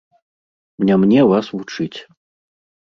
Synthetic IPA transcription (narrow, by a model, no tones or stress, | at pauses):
mnʲamnʲɛvasvut͡ʂɨt͡sʲ